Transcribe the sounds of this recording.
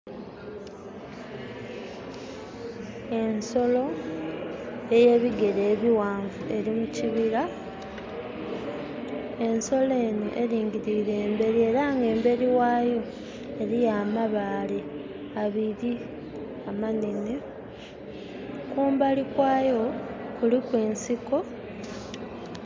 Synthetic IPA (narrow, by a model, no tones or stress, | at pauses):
e̞nso̞lo̞ | e̞je̞ːβiɡe̞ɾeːβiwaːɱvue̞ɾimuciβiɾa | e̞nso̞le̞ːno̰ʔe̞ɾiːŋɟiɾiɾe̞ːmbe̞ɾie̞ɾaŋɡe̞ːmbe̞ɾiwaːjo̞ | eɾijaːmaβaːle | aβiɾi | amanine | kuːmbalikwaːjo̞kulikweːnsiko̞